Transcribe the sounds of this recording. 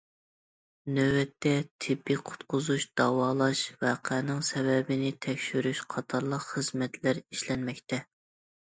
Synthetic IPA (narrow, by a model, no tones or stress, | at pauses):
nøwɛt̪ʰːɛt̪ʰɪbːiqʰʊ̥t̪qʊzuʃd̪̥ɑwɑːlˠɑʃvwɑqʰɛnɪŋsɛvɛbɪnɪt̪ʰɛkʲʃyɾyʃqʰɑt̪ʰɑɾlˠəqχəzmɛt̪ʰlæɾiʃlɛnmɛk̚ʲt̪ʰɛ